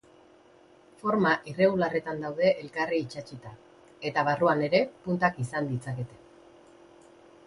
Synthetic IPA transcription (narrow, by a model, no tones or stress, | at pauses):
fo̞ɾmaʔire̞ɣulare̞t̪and̪awðe̞ʔːlkariːt͡ʃat͡ʃit̪a | e̞t̪aβ̞aruane̞ɾe̞punt̪akisand̪it͡sake̞t̪e̞̥